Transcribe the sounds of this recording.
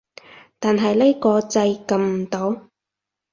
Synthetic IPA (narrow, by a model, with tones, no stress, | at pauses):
t̪aː˨nɦɐ˨jle˥kɔː˧t͡sɐ˧jkɐ˧mm̩˨˩t̪o˨˥w